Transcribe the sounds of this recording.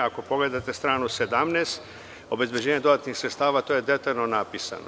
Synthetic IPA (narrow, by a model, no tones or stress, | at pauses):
ako̞po̞ɡle̞d̪at̪est̪ɾaːnuse̞d̪amnest̪ | o̞be̞zbje̞d͡ʑeːɲed̪o̞d̪at̪nixsɾet̪st̪aːʋat̪oje̞d̪e̞t̪aʎnonapisa̰no